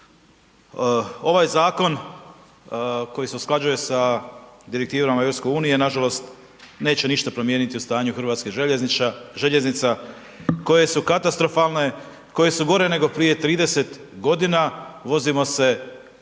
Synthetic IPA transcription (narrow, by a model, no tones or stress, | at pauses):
o̞ʋajzaːko̞n | kojise̞usklˠad͡ʒuje̞sad̪iɾek̚t̪iːʋamaeʋɾopske̞uːnije̞naʒalo̞st̪ | ne̞ːt͡ɕeniʃt̪apɾo̞mje̞nit̪iust̪aːɲuxɾʋaːt̪ski | ʒe̞ʎeznit̪sa | ko̞je̞sukat̪ast̪ɾo̞falne | ko̞je̞suɡo̞ɾe̞ne̞ɡo̞pɾije̞t̪ɾiːd̪e̞se̞t̪ | ɡo̞d̪inaʋo̞zimo̞se̞